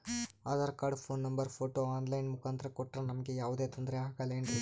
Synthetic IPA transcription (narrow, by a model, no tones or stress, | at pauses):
aːd̪ɐɾɐkaːɾɖpʰoːnːɐmbɐɾpʰoːʈoːaːnlɐjnmukaːnt̪ɐɾɐkɔʈːɾɐnɐmɐɡejaːʋud̪eːt̪ond̪ɾeaːɡaleːɳʈi